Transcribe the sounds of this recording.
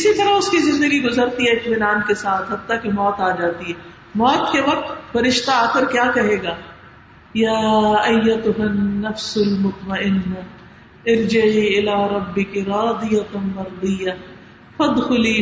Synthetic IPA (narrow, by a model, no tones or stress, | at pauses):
ɪsit̪ɐɾaʊskizɪ̃nd̪əɡiɡʊzəɾt̪iɦɛɪt̪mɪnaːnkesaːt̪ʰɦɐt̪ːakemɔːt̪aːd͡ʒaːt̪iɦɛː | mɔːt̪keʋɐq̚t̪fɐɾɪʃt̪aaːkəɾkjaːkɐɦeːɡaː | jaːɐjːɐt̪ʊɦɐnːɐfsʊlmʊt̪mɐʔɪnːa | ɐɾd͡ʒɐʕiːɪlaːɾˤɐbːɪkiɾaːd̪ɪjɐmɐɾd̪ɪjːa | fɐd̪xʊliː